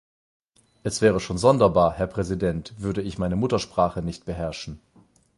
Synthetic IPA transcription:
ʔɛsv̥ɛːʁ̞əʃoːnzɔndɐbaːɐhɛɐpʁ̥ɛzidɛntv̥ʏɐdəɪçmaɪnəmʊtɐʃpʁ̥aːχənɪçt̚b̥əɦɛɐʃn̩

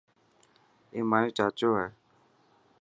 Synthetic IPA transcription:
eːmaːjũt͡ʃaːt͡ʃoːɦɛ

